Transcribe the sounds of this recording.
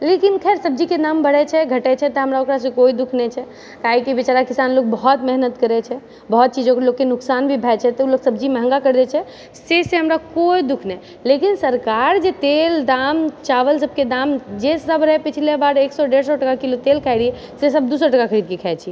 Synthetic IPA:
lekinkʰɛeɾsəb̚d͡ʒikenambəɽ̤ɛt͡ʃʰɛɡʱəʈɛt͡ʃʰɛt̪ɔɦəmɾaokɾas̬ə̃koid̪ukʰnɛt͡ʃʰɛ | kaɦikibit͡ʃaɾakisanlok̚bəɦɔt̪mɛɦnət̪kəɾɛt͡ʃʰɛ | bəɦɔt̪̚t͡ʃid͡ʒõklokːenʊksanbʱibʱɛjt͡ʃʰɛt̪ɔuloksəbd͡ʒimeɦə̃ŋɡakəɾd̪ɛt͡ʃʰɛ | seseɦəmɾakoid̪ukʰnɛ | lekinsəɾkaɾd͡ʒet̪eld̪amt͡ʃaʋəlsəb̚ked̪amd͡ʒesəbɾəɦɛpit͡ʃʰlebaɾeksɔɖeɾsɔʈəkakilot̪elkʰɛɪɾiɛ | sesəb̚d̪usəʈəkakʰəɾid̪̚kekʰɛet͡ʃʰi

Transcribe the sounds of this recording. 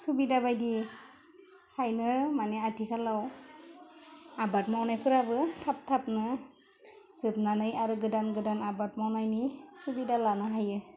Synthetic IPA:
subidabajdi | hajnɯmanɛatikʰalaw | abatmawnajpʰɯɾabɯtʰap̚tʰap̚nɯ | sɯp̚nanɯjaɾɯɡɯdanɡɯdanabatmawnajnisubidalanɯɦajɯ

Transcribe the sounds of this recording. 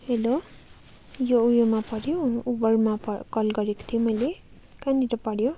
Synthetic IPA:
helo | joujomapʌɽjoubʌrmapkʌlɡʌɾeko̥t̪ʰijomʌjle | kaniɾʌpʌɽjo

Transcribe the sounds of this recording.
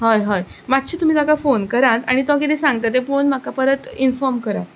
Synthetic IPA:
ɦajɦəjmat̪ːɕiːt̪um̤iːt̪akafonkəɾat̪a̰ɽ̃it̪oak̬it̪ẽsãŋɡ̚t̪at̪efonm̤akapəɾət̪infɔɾmkəɾa̰t̪̚

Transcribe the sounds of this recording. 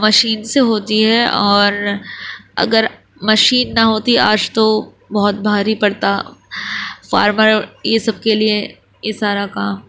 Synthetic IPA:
mɐʃiːnseɦoːt̪iɦɛʔɔːɾ | ɐ̰ɡəɾ | mɐʃiːnːɐɦoːt̪iʔaːd͡ʒt̪o | bɔɦɔt̪̚bʱaːɾipɐɽt̪a | fa̰ːɾməɾjesɐb̚kelie | jesaːɾakaːm

